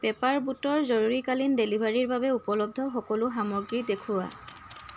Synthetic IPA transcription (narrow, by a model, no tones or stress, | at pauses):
bɛpaɹbutɔɹzɔɹuɹikalindelibʱaɹiɹbabɛupɔlɔb̚d̪ʱɔxɔkɔlʊxamɔɹɡɹidekʰʊwa̰